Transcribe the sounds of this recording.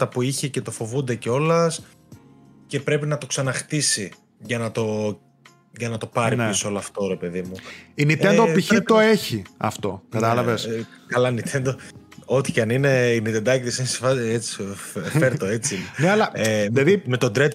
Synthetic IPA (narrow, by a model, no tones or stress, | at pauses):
t̪ɐpuiçece̞t̪o̞fo̞vund̪e̞ceo̞lɐs | ce̞pɾe̞pinɐt̪o̞ksɐnɐxt̪isi | ʝɐnɐt̪o̞ | ʝɐnɐt̪o̞pɐɾipisooloɐft̪o̞ɾe̞pe̞ðimuinit̪end̪opiçit̪o̞eçiɐ̰ft̪o̞kɐt̪ɐlɐveskɐlɐnit̪ʰend̪oo̞t̪i̥cɐnine̞init̪end̪ɐcit̪isinesefɐet͡si̥ffeɾt̪oet͡sinɐlɐeðeðime̞t̪o̞d̪ɾet̪